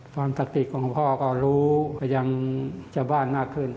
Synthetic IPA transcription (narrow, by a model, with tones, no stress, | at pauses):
fa˧ŋt̪ʰa˧k̚t̪i˧˨˩kʰɔː˨˧˦ŋʰ˧pʰɔː˧˩kɔː˧˩ɾuː˦˥˧ja˧ŋt͡ɕa˧˩wbaː˧˥˩nmaː˧˥˩kʰːɯ˧˩˨n